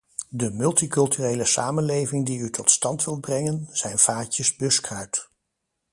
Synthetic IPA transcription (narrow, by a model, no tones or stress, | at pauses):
dəmɵlˠtikɵlˠtyrejləsaːmənlejvɪŋdiytʰɔtstɑntʋɪl̚ˠbrɛŋənz̥ɛjnv̥aːcəzbɵskrœɥt